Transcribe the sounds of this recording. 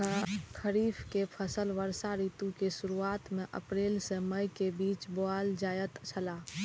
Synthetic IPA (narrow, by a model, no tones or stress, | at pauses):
kʰəɾiːfʰkepʰəsəlʋəɾsaɾiːt̪ũkesʊɾuaːt̪mẽʔə̰pɾeːlsẽməjkebiːt͡ʃboaːld͡ʒaːjət̪t͡ʃʰəlaː